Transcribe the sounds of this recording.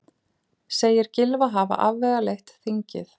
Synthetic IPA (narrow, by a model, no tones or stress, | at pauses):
seːjɪɾ̥cɪlvaɦaːva̰ʔavːɛːɣalejht̪θiɲcɪ̰θ